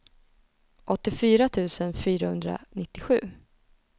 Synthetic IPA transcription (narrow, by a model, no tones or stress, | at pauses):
ʔɔt̪ːɪfyːɾat̪ʰʉ̟ːsənfyːɾahɵnd̪ɾa̰nɪt̪ːɪɧʉ̟ː